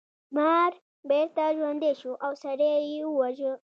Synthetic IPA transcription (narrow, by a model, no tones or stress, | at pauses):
maːɾ | beɾt̪aʒwand̪eʃuʔawsaɾejiuwaʒə